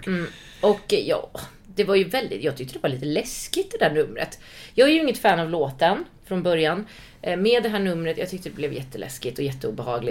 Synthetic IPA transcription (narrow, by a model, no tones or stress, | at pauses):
m̩ː | ɔkjɑ̰ː | d̪̥ɛvaɾjɵvɛld̪ɪ̰t̪jɑːɡt̪ʰʏk̚t̪əd̪ɛvaɾɭiːt̪əlɛskɪt̪d̪ɛd̪æːɳɵmːɾə̰t̪ | jɑːɡæɾjɵɪŋːət̪fæːnavloːt̪ən | fɾɔnbœɾjan | meːd̪ːɛɦæːɳɵmːɾət̪jɑːɡt̪ʰʏk̚t̪əd̪ɛblɛvjɛt̪ːəlʔɛ̰skɪt̪ɔjɛt̪ʰːəṵːbɛhɑ̰ːɡlɪ